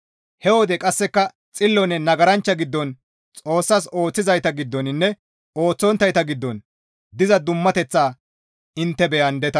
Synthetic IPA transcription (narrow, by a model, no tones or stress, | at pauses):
hɛwɔd̪ɛkʼɐsːɛkːɐ | t͡sʼɪlːɔnɛnɐɡɐɾɐnt͡ʃːɐɡɪd̪ːɔn | t͡sʼo̞ːsːaːso̞ːt͡sːɪzɐjt̪ɐɡɪd̪ːɔnɪnːɛ | oːt͡sːɔnt̪ːɐjt̪ɐɡɪd̪ːɔn | d̪ɪzɐd̪ʊmːɐt̪ɛt͡sːaː | ɪnt̪ːɛbɛjɐnd̪ɛt̪ɐ